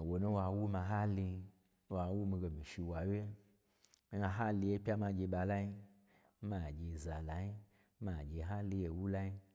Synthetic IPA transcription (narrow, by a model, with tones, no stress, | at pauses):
wo˨nu˦wa˧wu˦ma˧ɦa˦li˧˦ | wa˧˦wu˦mi˧ɡe˧mi˨ʃi˧wa˨we˦ | mi˦ŋa˧ɦa˦li˧je˦pʲa˦ma˧ɡʲe˧ɓa˧la˦ji˦ | ma˨ɡʲe˧˨za˨la˨ji˦ | ma˨ɡʲe˧˨ɦa˦li˧je˧wu˦la˦i˦